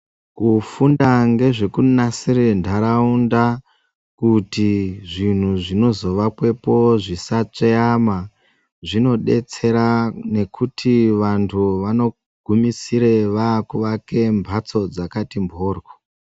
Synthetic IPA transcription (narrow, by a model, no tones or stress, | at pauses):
kufundaŋɡe̞ʐe̞kunasirendʱaɾaunda | kutiʐin̤uʐino̞zo̞ʋakwe̞po̞ʐisat͡ʂeama | ʐino̞ɗe̞̰t͡se̞ɾane̞kʰutʰiʋantʰuʋano̞ | ɡ̥ʱumisiɾe̞ʋakuʋake̞mbʱat͡so̞d͡zakatimbʱoːrko